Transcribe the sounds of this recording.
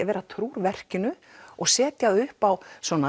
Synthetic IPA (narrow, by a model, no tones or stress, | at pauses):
avɛːɾat̪ʰɾuːɾvɛr̥cɪnʏ | ɔɣsɛːt̪jaðʏhpawsvɔːna